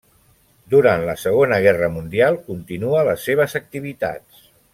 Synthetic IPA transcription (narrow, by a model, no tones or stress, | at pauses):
d̪uɾant̪ləsəɣ̞onəɣ̞ɛrəmund̪ialˠkunt̪inuələsːeβ̞əzək̚t̪iβ̞it̪a̰t͡s